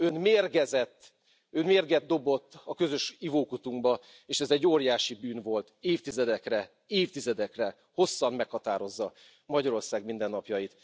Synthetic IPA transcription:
ønmeːrɡɛzɛt̪ː | ønmeːrɡɛd̪̚d̪o̞bo̞t̪ːɒkø̞zø̞ʃivoːkut̪uŋɡbɒ | eːʃɛzɛɟːoːrjaːʃibyːnvo̞lt̪eːft̪izɛd̪ɛkrɛ | eːft̪izɛd̪ɛkrɛ | ho̞sːɒmmɛkhɒt̪aːɾo̞zːɒ | mɒɟɒɾo̞rsaːɡmind̪ɛnːɒpjɒjit̪

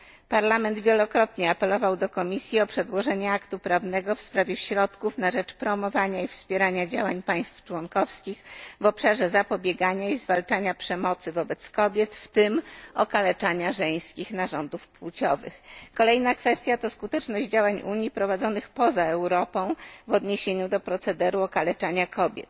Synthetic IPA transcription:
paɾlamɛnd̪vʲjelɔkɾɔt̪ɲɛapɛlɔvawd̪ɔkɔmʲisʲjiɔpʂɛd̪wɔʐɛɲɛakt̪upɾavnɛɡɔfspɾavʲjɛɕɾɔt̪kufnaʐɛt͡ʂpɾɔmɔvaɲaifspʲjɛɾaɲad͡ʑawaɲpaj̃st̪ft͡ʂwɔnkɔfskʲixvɔpʂaʐɛzapɔbʲjɛɡaɲaizvalt͡ʂaɲapʂɛmɔt̪sɘvɔbɛt̪skɔbʲjɛt̪ft̪ɘmɔkalɛt͡ʂaɲaʐɛj̃skʲixnaʐɔnd̪ufpwut͡ɕɔvɘ̰xkɔlɛjnakfɛst̪ʲjat̪ɔskut̪ɛt͡ʂnɔʑd͡ʑd͡ʑawaɲʔuɲjipɾɔvad̪zɔnɘxpɔzaɛwɾɔpɔ̃w̃vɔd̪ɲeɕeɲud̪ɔpɾɔt̪sɛd̪ɛɾuɔkalɛt͡ʂaɲakʰɔbʲjɛ̰t̪

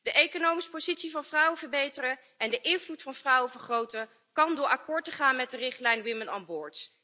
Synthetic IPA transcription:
d̥əʔejkonowmisə̥pozitsivɑnvrʌwəvəɹbejtərə | ɛndəʔɪnvlutfɑnvrʌwəvəɹχrowtə | kɑndʊːɹɑkʊːɹtəχaːnmɛt̚dərɪχtlɛjnwɪməna̰nbʊːɹts

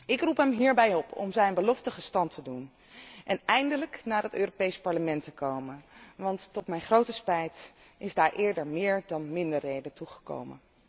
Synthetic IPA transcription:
ɪkrupɦɛmɦiːɹbɛjɔpʰɔ̰mzɛjnbəlɔftəχəstɑntʰədun | ʔɛnɛjndələknaːɹətøːropejspɑɹləmɛntəkowmənʋɑntːɔtmɛjnχrowtəspɛjtʔɪzdaːɹʔɪːɹdəɹmɪːɹdɑnmɪndərːejdətuχə̥ko̰wmə̰n

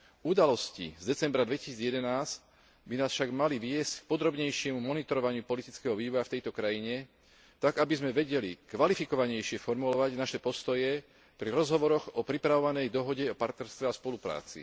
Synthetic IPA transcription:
ud̪alɔscḭzd̪ɛt͡sɛmbɾad̪ʋɛci̥siːd͡zjɛd̪ɛnaːsc | binaːsfʃaɡmaliʋɪɛsck̚pɔd̪ɾɔbɲɛjʃɪɛmumɔnit̪ɔɾɔʋaɲɪupɔlit̪it͡skɛɦɔʋiːʋɔjaft̪ɛjt̪ɔkɾajiɲɛ | t̪aɡabizmɛʋɛɟɛlikʋalifikɔʋaɲɛjʃɪɛfɔɾmulɔʋaɟnaʃɛpɔst̪ɔjɛ | pɾiɾɔzɦɔʋɔɾɔɣɔpɾipɾaʋɔʋanɛjd̪ɔɦɔɟɛɔpaɾt̪nɛɾst̪ʋɛaspɔlupɾa̰ːt͡sḭ

